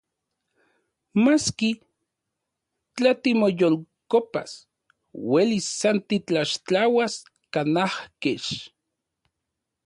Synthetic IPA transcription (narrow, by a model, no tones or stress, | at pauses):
maski | t͡ɬat̪imojolkopa̰s | welisːant̪it͡ɬaʃt͡ɬawas | kanahkeʃ